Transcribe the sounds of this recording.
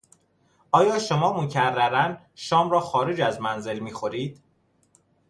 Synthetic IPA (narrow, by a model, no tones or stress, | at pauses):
ɒːjɒːʃo̞mɒːmocʰærːæɾæn | ʃɒːmɾɒːxɒːɾed͡ʒæzmænze̞lmiːxo̞ɾiːd̪̥